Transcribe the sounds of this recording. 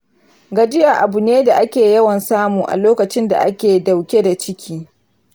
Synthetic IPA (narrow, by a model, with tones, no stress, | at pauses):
ɡɐ˨d͡ʒɪ˦ja˨ʔa˨bʊ˨neː˦da˨ʔa˦kʲeː˨jɐ˦wɐ˨nsaː˦muː˨ʔa̰˨loː˦kɐ˨t͡ʃɪ˦nda̰˨ʔa˦kʲeː˨da˨wkʲe˦da˨t͡ʃɪ˦kʲʰiː˦